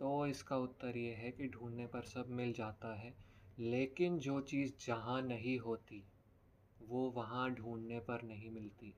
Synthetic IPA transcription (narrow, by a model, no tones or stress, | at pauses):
t̪oːɪskaʊt̪ːəɾjeɦɛkiɖʱũːnːepɐɾsɐbʱmɪld͡ʒaːt̪aɦɛːleːkɪnd͡ʒoːt͡ʃiːzd͡ʒɐɦãnɐɦĩɦoːt̪i | ʋoːʋɐɦãɖʱuːnnepɐɾnɐɦĩmɪlt̪iː